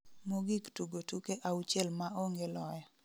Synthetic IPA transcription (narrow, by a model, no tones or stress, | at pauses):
moɡiktuɡotukeʔawut͡ʃelmaoŋɡelɔjɔ